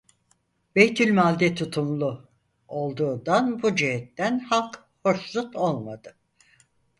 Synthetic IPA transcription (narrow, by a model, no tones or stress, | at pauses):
b̥ejt̪ʰylʲmalʲd̪ɛt̪ʰut̪ʰumlˠu | o̞lˠd̪uːd̪anbud͡ʒeɦɛt̪ːænhalˠk | hoɾʃsˠut̪ʰolˠmad̪ɯ